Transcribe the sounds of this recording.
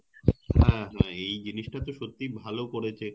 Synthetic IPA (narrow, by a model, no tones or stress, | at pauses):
hɛ̃ɦɛ̃ejd͡ʑiniʃʈat̪oʃot̪ːibʱalokoɽet͡ɕʰe